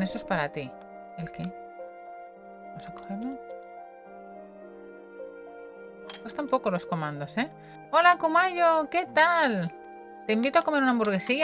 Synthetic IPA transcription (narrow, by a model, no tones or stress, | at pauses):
nest̪ospaɾat̪i | elke | bamosako̥xeɾne | kwest̪ampo̞ko̞lo̞sko̞mãnd̪o̞se | o̞lakomaʎoke̞t̪al | t̪e̞imbit̪oako̞me̞ɾunambuɾɣ̞e̞si